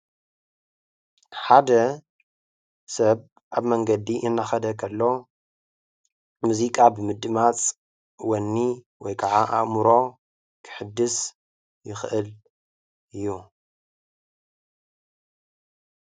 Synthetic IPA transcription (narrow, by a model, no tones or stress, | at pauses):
ħad̪ɐ | sɐβ | ʔaβmɐŋɡɐd̪iʔɪnːaxɐd̪ɐkʰɐlːo̞ | muzikʼabɨmɨd̪ɨmat͡sʼ | wɐnːi | wɔjkʰaʕaʔaʔmuɾo̞ | kʰɨ̥ħɨd̪ːɨs | jɪxʔɨl | ɨjːu